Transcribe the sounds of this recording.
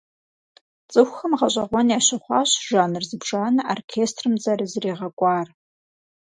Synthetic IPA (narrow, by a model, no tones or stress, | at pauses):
t͡sʼɨxʷxɐmʁɐɕʷʼɐʁʷɔnjaːɕɐχʷɑːɕʒaːnɨrzɨbʒaːnɐʔorkʰeːstʰrɨmd͡zɐrɨzɨreːʁɐkʷʼɑːr